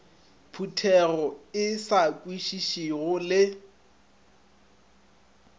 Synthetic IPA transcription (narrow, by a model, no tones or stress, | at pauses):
pʰutʰɛrɔɪsakʼwiʃiʃiɣʊlɪ